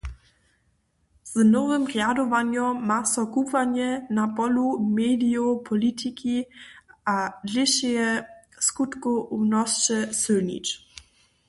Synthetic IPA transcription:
z̥nɔvɘmrjadɔvaɲɔmasɔkuvaɲɛnapɔlumɛd̪iɔpʰɔlit̪ʰikʰiʔaliɕɛjɛskut̪kuʔumnɔst͡ʃɛsɪlɲḭt͡ʃ

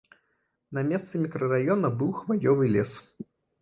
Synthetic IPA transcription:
nɐmʲɛst̪sɨmʲikɾɐɾajɔnɐbɨwxvajɔvɨlʲɛs

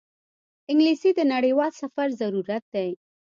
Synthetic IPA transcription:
ɪŋɡlisid̪ənaɽəjwɑlsafaɾzaɾuɾat̪̚d̪ej

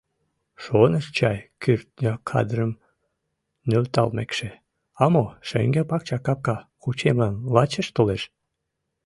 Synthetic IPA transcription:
ʃonəʃt͡ɕɑjkyrt̪̚nʲəkʰɑ̰d̪rəm | nølt̪ɑ̰lmekʃe | ɑmoʃḛŋɡepɑk̚t͡ɕɑkɑp̚kɑkut͡ɕemlɑnlɑt͡ɕeʃt̪oleʃ

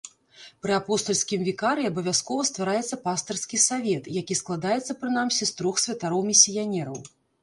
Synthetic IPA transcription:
pɾɨapɔst̪ɔlʲsʲkʲimvʲikaɾɨabɐvʲaskɔvɐst̪vaɾajɛt̪sːɐpast̪ɐrskʲisavʲɛt̪jakʲisklˠad̪ajɛt̪sːɐpɾɨn̪amsʲist̪ɾɔxsʲvʲɐt̪aɾɔwmʲisʲːijanʲɛɾɐw

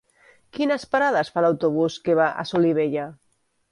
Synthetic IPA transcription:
kinaspaɾaðasfalawt̪oβ̞uskeβaʔa̰soliβ̞eʎa

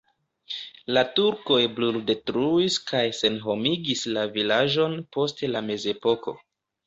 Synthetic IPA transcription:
latuɾko̞jblulde̞tɾuiskajse̞nɦo̞miɡislavilaʒo̞npo̞stelame̞ze̞po̞ko̞̰

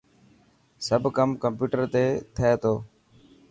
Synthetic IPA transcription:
səbʱkəmkəmpjuːʈəɾt̪eːt̪ʰəeːt̪oː

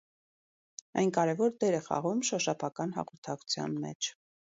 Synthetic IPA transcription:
ɑjnkɑɾɛvɔɾd̪ɛɾɛχɑ̰ʁumʃɔʃɑpʰɑkɑnɦɑ̰ʁɔɾt̪ʰɑku̥t͡sʰjɑ̰nmɛ̰t͡ʃʰ

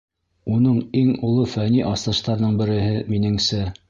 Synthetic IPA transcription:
unɤɴiŋŭlˠɤfæniʔɑst̪ɤ̆ʃt̪ɑɾðɤɴbɘ̆ɾɘ̆ɦɘminɘ̆ŋsɘ

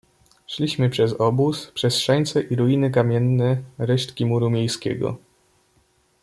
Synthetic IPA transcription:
ʂlʲiɕmɘpʂɛzɔbuspʂɛsʂɛɲt̪sɛʔiɾuinɘkamʲjɛnːɛɾɛʂt̪kʲimuɾumʲjejskʲɛ̰ɡɔ̰

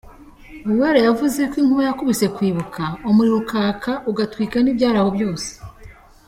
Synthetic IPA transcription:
uβuwaɾejavuze̞kwiːŋ̥uβajakuβise̞kwiːβukʰaomuɾiɾukaːkaʔuɡatwiːkanibɟaːɾahobjo̞ːse̥

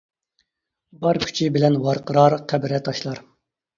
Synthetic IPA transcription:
bɑɾkʲʰy̥t͡ʃʰibɪlɛnwɑɾqəɾɑɾqʰæbɪɾɛt̪ʰɑʃlˠɑɾ

